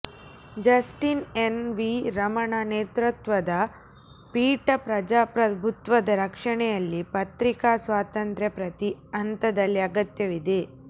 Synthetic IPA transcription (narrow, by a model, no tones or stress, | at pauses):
d͡ʒɐsʈinenʋiɾɐmɐɳaneːt̪ɾut̪ʋɐd̪ɐ | piːʈɐpɾɐd͡ʒaːpɾɐbʱut̪ʋɐd̪ɐɾɐkʂɐɳɛjɐlːipɐt̪ɾikaːsʋaːt̪ɐnt̪ɾepɾɐt̪iɐnt̪ɐd̪ɐlːiɐɡɐt̪jɐʋid̪e